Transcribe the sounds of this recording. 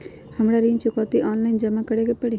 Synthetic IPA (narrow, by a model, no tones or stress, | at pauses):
həmɾaɾĩnt͡ʃʊkaːt̪iʔɔːnlaɪnd͡ʒəmakəɽekepəɽi